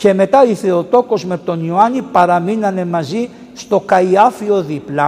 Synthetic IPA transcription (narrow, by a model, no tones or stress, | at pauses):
ce̞me̞t̪ɐiθe̞o̞t̪o̞ko̞zme̞t̪o̞nioɐnipɐɾɐminɐne̞mɐzi | st̪o̞kɐiɐfio̞ðiplɐ